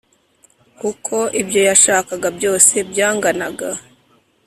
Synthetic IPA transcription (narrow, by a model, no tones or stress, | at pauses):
kukʰo̞ʔibjo̞jaʃaːkaɡabjo̞ːse̞bjaːŋɡanaɡa